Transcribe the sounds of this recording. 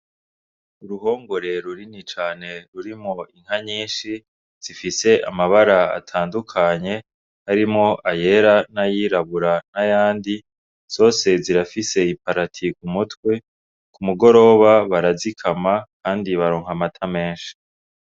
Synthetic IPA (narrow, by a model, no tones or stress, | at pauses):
uɾuɦo̞ːŋɡo̞ɾe̞ɾuɾinit͡ʃaːne̞ɾuɾimŋo̞iŋ̥aɲiːnʃi | z̥ifise̞ʔa̰maβaɾaa̰tʰaːndukʰaɲe̞ | haɾimŋo̞ʔaje̞ɾanajiɾaβuɾanajaːndi | z̥o̞ːse̞ziɾafise̞ipaɾatʰikumutwe̞ | kumuɡo̞ɾo̞ːβaβaɾazikʰamakʰaːndiβaɾoːŋ̥hamatʰame̞ːnʃi̥